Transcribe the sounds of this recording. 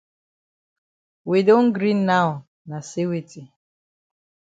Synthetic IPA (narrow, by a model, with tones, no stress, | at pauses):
wi˨do˦ŋ̩˦ɡɾi˦nːa˦ʊ˨ | na˨si˦wi˨ti˨